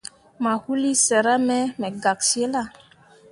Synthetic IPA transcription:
ma˨hu˦li˦sɛ˨ɾa˦mɛ˦mɛ˨ɡa˨ksi˦e˦la˦˨

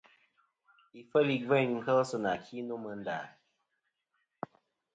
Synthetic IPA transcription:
i˨fə˦li˨ɡvɛ˦˨n˨ŋ̩˦kə˦lsɨ˦˨na˨kʰi˦no˦mə˨n˦da̰˨

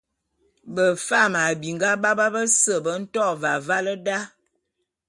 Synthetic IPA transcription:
bə˨fa˦˨ma˨bi˨ŋɡa˦ba˦ba˦bə˦sə˨bə˦n̩˦tɔ˦˨va˨va˦lə˦da˦

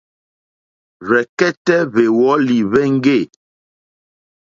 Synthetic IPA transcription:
βɛ˨kɛ˦tɛ˦βe˨wɔ˨˦li˨βɛ˦ŋ̩˦ɡe˦˨

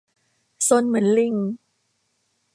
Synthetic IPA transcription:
so˧nmɯ˩˦ənli˧ŋ

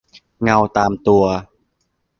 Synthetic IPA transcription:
ŋa˧wt̪aː˧mt̪u˧ɐ

